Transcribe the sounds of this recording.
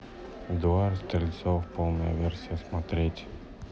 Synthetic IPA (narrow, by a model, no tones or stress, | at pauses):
d̪ʊaɾst̪ɾʲɪlʲɪt̪sɔfpolˠnəjə̰vʲɛrsʲijəsmɐt̪ɾʲetʲ